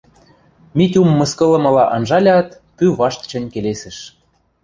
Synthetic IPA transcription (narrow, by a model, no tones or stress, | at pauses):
mit̪ʲumːɤ̆skɤ̆lɤ̆mɤ̆lɑʔɑnʒɑlʲɑt̪ | pyβɑʃt̪t͡ɕə̆nʲkelesɘ̆ʃ